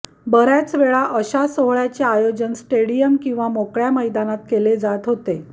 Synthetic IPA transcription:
bəɾjat͡sʋeɭaʔəɕasoɦɭjat͡ɕeajod͡ʑənsʈeɽijəmkĩw̃ʋamokɭjaməjd̪anat̪̚keled͡zat̪ɦot̪e

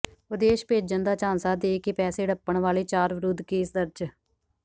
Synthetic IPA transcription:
ʋəd̪eːʃpeːd͡ʒənd̪aːt͡ʃãːnsaːd̪eːkepɛːseːɖəpːəɳʋaːleːt͡ʃaːɾʋəɾʊd̪keːsd̪əɾd͡ʒ

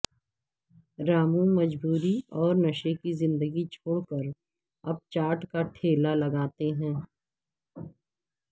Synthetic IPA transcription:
ɾaːmũmɐd͡ʒbuːɾiɔːɾnɐʃekizɪ̃nd̪əɡit͡ʃʰoːɽkəɾ | ɐb̚t͡ʃaːʈkaʈʰeːlalɐɡaːt̪eɦɛ̃ː

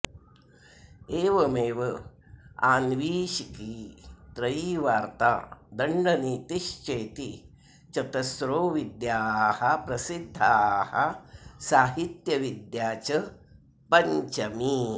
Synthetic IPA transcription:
eːʋɐmeːʋɐ | aːnʋiːʃikit̪ɾɐjiʋaːɾt̪a̰ːd̪ɐɳɖɐniːt̪iʃt͡ʃeːt̪i | t͡ʃɐt̪ɐsɾoːʋid̪jaːhɐpɾɐsid̪ʱːahɐsaːɦit̪jɐʋid̪jaːt͡ʃɐ | pɐɲt͡ʃɐmi

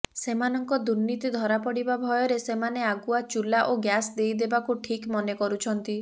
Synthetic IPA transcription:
semanɔŋkɔd̪uɾnit̪id̪ʱɔɾapɔɽibabʱɔjɔɾesemaneaɡuat͡ʃulaʔoɡjasd̪ejd̪ebakuʈʰikmɔnekɔɾut͡ʃʰɔnt̪i

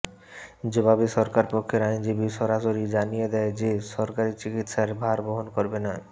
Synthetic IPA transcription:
d͡ʑobabiʃɔɾkaɾpokʰːeɾajnd͡ʑibiʃɔɾaʃoɾid͡ʑanijed̪ɛed͡ʑeʃɔɾkaɾit͡ɕikit̪ʃaɾbʱaɾboɦonkoɾbena

